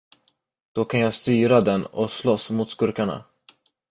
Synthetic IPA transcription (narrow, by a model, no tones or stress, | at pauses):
d̪̥ɔkʰanjaːst̪yːɾad̪ɛnɔslɔsmuːt̪skɵɾkaɳa̰